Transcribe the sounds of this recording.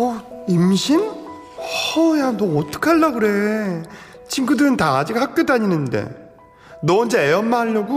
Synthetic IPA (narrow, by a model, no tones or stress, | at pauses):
ʌimɕʰin | janʌːt͈ʌ̥kʰaɭːaɡɯɾe̞ | t͡ɕʰinɡudɯɾɯntaad͡ʑiɡhak̚k͈jodaɲinɯnde̞̰ | nʌnd͡ʑeejʌnmaɦaʎːʌɡu